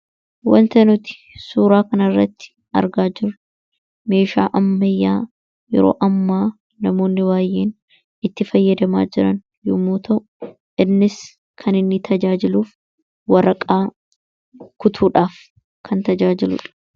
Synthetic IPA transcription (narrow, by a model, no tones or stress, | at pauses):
wɐ̰nt̪ɐnʊt̪ɪ̥ | suːɾaːkɐnɐrːɐt̪ːɪ̥ | ɐ̰ɾɡaːd͡ʒɪɾ | me̞ːʃa̰ːʔɐmːɐjːaː | jɛ̰ɾo̰ːʔɐmːaː | nɐmo̞ːnːɪwaːjːeːn | ɪt̪ːɪfɐjːɐd̪ɐma̰ːd͡ʒɪɾɐ̰n | jʊmuːt̪ɐʔʊ | ʔɪnːɪs | kʰɐnɪnːɪt̪ʰɐd͡ʒaːd͡ʒɪluːf | wɐɾɐkʼaː | kʊt̪ʰuːᶑaːf | kʰɐnt̪ɐd͡ʒaːd͡ʒɪlʊ̰ᶑɐ̥